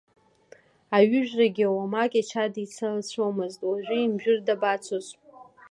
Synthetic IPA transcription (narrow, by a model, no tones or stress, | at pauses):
aɥɪʒᶣraɡʲiawamakʲʼat͡ʃʰadit͡sʰalt͡sʷʰomɨztʼwaʒʷᶣɪimʒᶣɪrdabat͡sʷʰosʷʼ